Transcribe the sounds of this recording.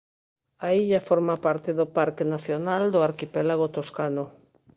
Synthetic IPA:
aiʎafoɾmapaɾt̪eðopaɾkenaθjonald̪oaɾkipɛlaɣ̞ot̪oskano

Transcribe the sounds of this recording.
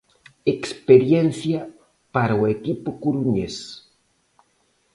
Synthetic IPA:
ekspeɾjensja | paɾwekipokuɾuɲes

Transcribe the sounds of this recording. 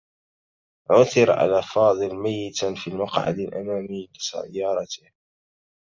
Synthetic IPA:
ʕʊθɪɾʕa̰laːfɑːðˤɨlmajːɪt̪fiːmɑqʕa̰d̪alʔamaːmiːbɪsa̰jːɑːɾˤɑt̪ɪh

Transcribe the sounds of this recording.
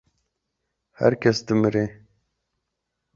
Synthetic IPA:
hæ̰ɾkʰɛsd̪ɨmɨɾeː

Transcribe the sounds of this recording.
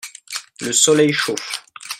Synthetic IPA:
ləsɔlɛjʃof

